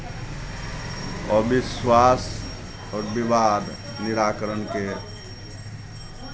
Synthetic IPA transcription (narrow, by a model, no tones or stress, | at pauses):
ɔbiswas | ɔːɾbibad̪ʱniɾakəɾənke